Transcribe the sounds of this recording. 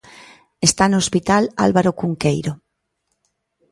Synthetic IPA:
est̪anoospit̪ala̰lβaɾokuŋkejɾo

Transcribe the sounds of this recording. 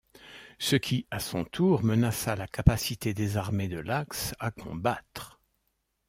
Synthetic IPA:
səkʲʰiasɔ̰̃t̪ʰuʁmənasalakapasit̪ed̪ezaʁmed̪əlaksakʰɔ̃bat̪χ

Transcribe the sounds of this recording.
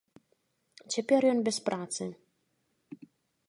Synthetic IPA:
t͡ɕʲɛpʲɛrjɔnbʲɛspɾat̪sɨ

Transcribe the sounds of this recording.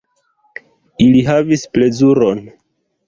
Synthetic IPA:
iliɦavisple̞zuɾo̞n

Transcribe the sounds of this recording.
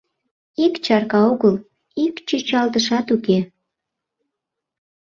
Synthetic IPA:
ikt͡ɕɑrkɑuɣəl | ikt͡ɕyt͡ɕɑlt̪əʃɑt̪uke

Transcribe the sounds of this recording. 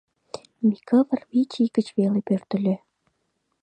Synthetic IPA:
mikʰəβərβit͡ɕikət͡ɕβelepørt̪ə̆lʲe

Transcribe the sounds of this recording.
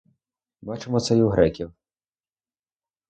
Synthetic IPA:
bɑt͡ʃemɔt̪sɛjuɦɾɛkʲiw

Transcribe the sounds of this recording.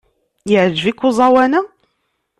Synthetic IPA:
jəʕəd͡ʒvikːuzˤɑwænæ

